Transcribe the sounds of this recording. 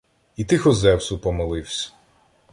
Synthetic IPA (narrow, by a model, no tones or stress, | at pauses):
it̪ɪxɔzɛwsʊpɔmɔlˠɪwsʲɐ̥